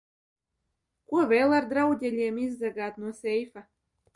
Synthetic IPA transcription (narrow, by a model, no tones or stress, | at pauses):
kuɔvʲeːlˠaɾd̪ɾawd̪ʲelʲiɛmizːaɡaːt̪nuɔsʲɛjfa